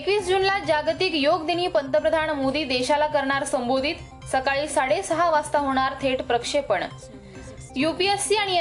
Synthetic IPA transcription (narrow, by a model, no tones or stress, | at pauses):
ekʋiːsd͡ʑunlad͡ʑaɡt̪ikjoɡd̪iniːpənt̪əpɾəd̪ʱaɳmod̪iːd̪eɕalakəɾɳaɾsəmbod̪ʱit̪ | səkaɭiːsaɽesəɦaʋast̪aɦoɽ̃aɾt̪ʰeʈpɾəkʂepəɳ | jupiesːiaɽ̃i